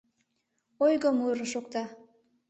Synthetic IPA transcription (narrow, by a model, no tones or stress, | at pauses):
ojɣəmuɾəʃokt̪ɑ